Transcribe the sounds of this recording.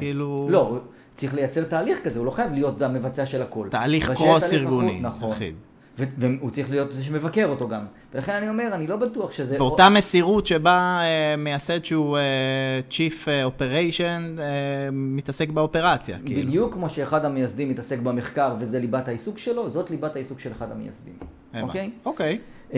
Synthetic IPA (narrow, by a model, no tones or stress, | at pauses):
kiilulo̞u | t͡sʁiχle̞jat͡se̞ʁt̪aːliχkazeulo̞χajavlijo̞t̪ame̞vat͡seaʃe̞lako̞lt̪aːliχkʁosiʁɡunnḭnaχχḭd | veveut͡sʁiχlijo̞t̪zeʃ̬eme̞vake̞ʁot̪o̞ɡam | velaχe̞nanio̞me̞ʁanilo̞batuaχʃezeveot̪amesiʁutʃe̞baemejase̞d̪ʃeuet͡ʃifeo̞pe̞ʁejʃonemit̪ase̞kbeo̞pe̞ʁat͡sja̰kḭbid̪jukːmoʃeːχad̪hamejasd̪imːitase̞kbameχkaʁve̞zelibathaisukʃelo̞zo̞t̪libathaisukʃeleχad̪a̰meja̰sd̪ḭm | eokejokej